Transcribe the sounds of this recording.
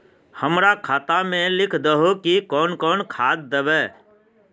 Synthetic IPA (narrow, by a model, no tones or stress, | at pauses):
həmɾaːkʰaːt̪amẽlɪkʰd̪əɦokikɔːnkɔːnkʰaːd̪̚d̪əʋɛː